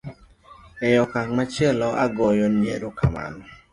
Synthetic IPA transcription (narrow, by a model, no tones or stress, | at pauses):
ɛjɔkaŋmat͡ʃɛlɔaɡɔjɔnjḛɾokama̰nɔ